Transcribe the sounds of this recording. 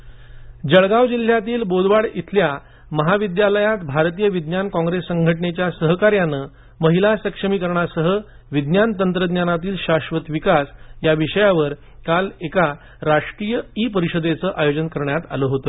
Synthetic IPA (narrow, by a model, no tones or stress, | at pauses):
d͡ʑəɭɡaʋd͡ʑil̤ːjat̪iːlbod̪ʋaɽit̪ʰlja | məɦaʋid̪jaləjat̪bʱaɾt̪ijəʋid̪njankɔ̃ŋɡɾesːəŋɡʱəʈɳet͡ɕjasəɦkaɾjanə | məɦilasəkʂəmiːkəɾɳasəɦə | ʋid̪njant̪ənt̪ɾəd̪njanat̪iːlɕaɕʋət̪ʋikasjaʋiɕəjaʋəɾ | kaleka | ɾaʂʈɾijəipəɾiɕəd̪et͡səːʔajod͡ʑənkəɾɳjat̪a̰ləɦot̪o